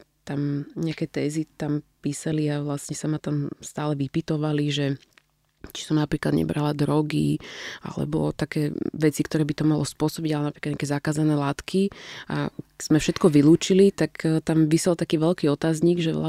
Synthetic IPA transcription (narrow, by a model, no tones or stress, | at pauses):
t̪amɲɛakɛt̪ɛːzit̪ampiːsaliaʋlasɲɛsamat̪amst̪aːlɛʋipit̪ɔʋaliʒɛ | t͡ʃi̥sɔmnapɾiːklad̪ɲɛ̰bɾalad̪ɾɔɡḭa̰lɛ̰bɔ̰t̪akɛːʋɛt͡sikt̪ɔɾɛːbit̪ɔmalɔspʊɔsɔbiɟalɛnapɾikad̪ɲakɛzakaːzanɛːlaːt̪kʰia̰z̥mɛfʃɛt̪kɔʋiluːt͡ʃilit̪akt̪amʋisɛlt̪akiːʋɛlkiːɔt̪aːzɲiɡʒɛʋla̰